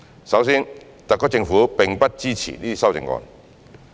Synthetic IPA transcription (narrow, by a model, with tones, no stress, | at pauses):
sa˧˦wsi˥n | t̪a˨kːɔ˥˩t͡ɕɪ˧ŋfu˨˦pɛ˨˩ŋpa˦˥t̚t͡ɕi˦˧t͡ɕʰḭ˨li˦˧sa˥˧˨t͡ɕɪ̰˨˧˨ŋkɔ̰˧˩n